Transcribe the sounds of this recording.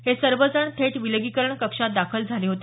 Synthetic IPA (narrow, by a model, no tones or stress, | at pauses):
ɦhesəɾʋəd͡zəɳt̪ʰeʈʋilɡiːkəɾəɳkəkʂat̪̚d̪akʰəld͡zʱaleɦot̪e